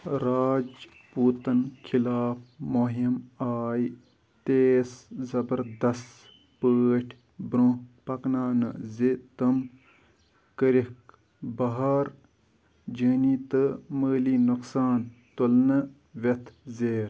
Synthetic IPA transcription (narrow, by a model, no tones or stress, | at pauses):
ɾaːd͡ʒ | puːt̪ɐnkʰilaːpmoɦimaːj | t̪eːszɐbəɾd̪ɐst̪ | pəːʈʰ | bɾõpɐknaːnɨ̰zit̪ɨm | kəɾik | bɐɦaːɾ | d͡ʒəːnit̪ɨməːliːnuksaːnt̪ulnɨ | ʋɐt̪ʰzeːɾ